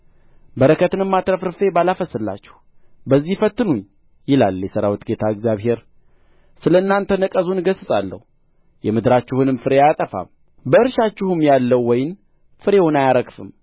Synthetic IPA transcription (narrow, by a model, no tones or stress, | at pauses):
bəɾəkʰət̪ɨnɨmːat̪ʼɾəfɾɨfe̞balafəsɨlːa̰t͡ʃːɛ̥h | bəzːihfət̪ːɨnuɲ | jɪlaljɛsəɾawit̪ɡe̞t̪ʰaɛɡzjaβɦe̞ɾ | sɨləɨnːant̪ʰənəkʼəzunɡəsɨsʼalːə̰hu | jɛmɨd̪ɨɾat͡ʃːɪhunɨmfɨɾeat̪ʼəfa̰m | bəɨɾʃat͡ʃːɪhɨmjalːəwːɔjɪn | fɨɾe̞wunajaɾəkfɨm